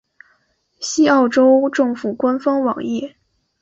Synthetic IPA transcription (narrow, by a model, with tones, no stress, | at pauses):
ɕi˥ɑ˥˩ʊʈ͡ʂo˥ʊʈ͡ʂɤ˥˩ŋfu˨˩kwa˥nfɑ˥ŋwɑ̰˨˩ŋɛ˥˩